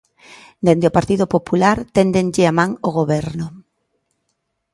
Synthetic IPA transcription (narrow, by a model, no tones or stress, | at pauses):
d̪end̪eopaɾt̪iðopopulaɾt̪end̪eŋʎɪamãŋoɣ̞oβɛɾnʊ